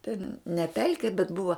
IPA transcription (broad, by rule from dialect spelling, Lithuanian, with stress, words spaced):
tʲɛn nʲɛ ˈpʲɛlʲkʲɪ bʲɛt ˈbʊʋɐ